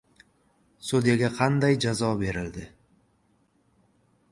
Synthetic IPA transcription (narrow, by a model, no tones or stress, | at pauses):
sud̪ijaɡʲaqʰɑnd̪ajd͡ʒazɒbe̞ɾɪld̪ɪ